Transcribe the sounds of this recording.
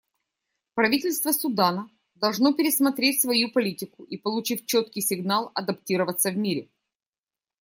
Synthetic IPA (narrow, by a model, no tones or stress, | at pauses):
pɾɐvʲitʲɪlʲst̪vəsʊd̪anə | d̪ɐlˠʐno̞pʲɪɾʲɪsmɐt̪ɾʲetʲsvɐjupɐlʲitʲɪkʊʔipəlˠʊt͡ɕifʲt͡ɕːot̪kʲɪjsʲɪɡnalˠɐd̪ɐptʲiɾəvət̪sːəvmʲiɾʲɪ̰